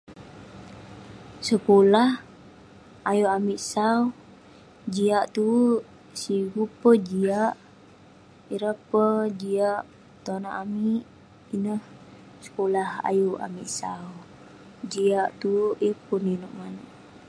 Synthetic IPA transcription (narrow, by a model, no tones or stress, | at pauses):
səkolah | ajuʔamiʔsaw | d͡ʒiaʔt̪u | siɡupəd͡ʒiaʔ | iɾəpəd͡ʒiaʔ | t̪onaʔamiʔ | inəh | sə̥kolaha̰juʔa̰miʔsaw | d͡ʒiaʔt̪uʔipuninoʔmanəʔ